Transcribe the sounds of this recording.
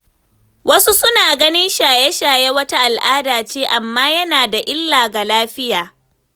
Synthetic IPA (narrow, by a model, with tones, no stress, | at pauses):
wʔɐ˦su˦sʊ˦naː˨ɡɐ˦nɪ˦nʃaː˨je˦ʃaː˨je˦wɐ˦ta˦ʔa˨lʔaː˦daː˨t͡ʃeː˦ʔa˨mːaː˦jɐ˦naː˨da˨ʔɪ˦lːaː˨ɡa˨laː˦ɸɪ˦jaː˨